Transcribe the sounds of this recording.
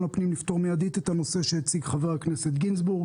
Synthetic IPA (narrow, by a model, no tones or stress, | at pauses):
lapnimlift̪o̞ʁmejad̪it̪et̪hano̞se̞ʃehet͡siɡχaveʁakneset̪ɡinsbuʁɡ